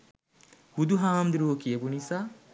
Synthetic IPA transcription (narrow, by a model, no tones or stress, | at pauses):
hud̪uɦaːmd̪iɾoːkiɐbunisaː